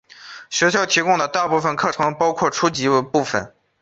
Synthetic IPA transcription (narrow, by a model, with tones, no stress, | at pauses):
ɕɥɛ˧˥ɕ̬jɑ˥˩ʊt̪ʰi˧˥kʊ˥ŋd̪ə˩t̪a˥˧pu˥˩fə˨˩nkʰɤ˥˩ʈ͡ʂʰɤ˧˥ŋpɑ˥ʊkʰwɔ˥˩ʈ͡ʂʰu˥t͡ɕi˧˥˧pu˥˩fə̰˨˩˦n